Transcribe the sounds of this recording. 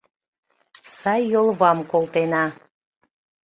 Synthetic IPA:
sɑjːolˠβɑmkolˠt̪enɑ

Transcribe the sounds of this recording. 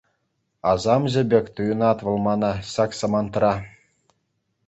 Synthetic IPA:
ɑzɑmʑɘ̆bʲekʲt̪ujɤ̆nɑt̪ʋɤ̆lˠmɑnɑɕɑksɤ̆mɑnt̪ɤɾɑ

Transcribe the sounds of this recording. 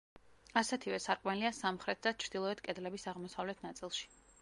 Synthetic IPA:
asɛt̪ʰivɛsaɾkʼmɛliasamχɾɛt̪̚ʰd̪at͡ʃʰɾd̪̥ilˠɔɛt̪kʼɛd̪lɛbisaʁmɔsavlɛt̪ʰnat̪sʼilˠʃi̥

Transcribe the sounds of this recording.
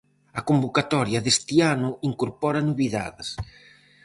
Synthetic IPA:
ɐkombokat̪ɔɾjɐðest̪ianʊiŋkoɾpɔɾɐnuβiða̰ðɪs

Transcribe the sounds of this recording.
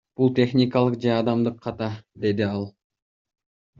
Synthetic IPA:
b̥ulˠt̪ʲe̞χnʲikɑlˠəqd͡ʒeɑd̪ɑmd̪ɯqʰːɑt̪ɑd̪e̞d̪ɪɑlˠ

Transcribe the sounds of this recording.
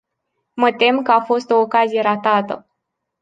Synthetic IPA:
mət̪e̞mkəafo̞st̪o̞ːkazije̞ɾat̪at̪ə̰

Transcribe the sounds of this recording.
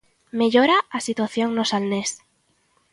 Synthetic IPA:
meʎoɾaasit̪waθjoŋnosalnes

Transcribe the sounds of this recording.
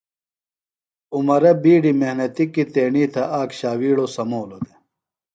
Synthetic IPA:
umɐɾɐbiːɖimehnɐt̪ikit̪eːɳiːt̪ʰɐʔaːkɕaːwiːɽosɐmoːlod̪e

